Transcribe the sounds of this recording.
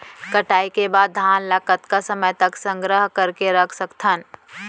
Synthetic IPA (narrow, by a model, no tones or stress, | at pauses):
kɐʈaːikebaːd̪̚ːʱaːnlaːkət̪kasɐməjt̪əksə̃ŋɡɾəɦkɐɾkeɾɐkʰsɐkt̪ʰən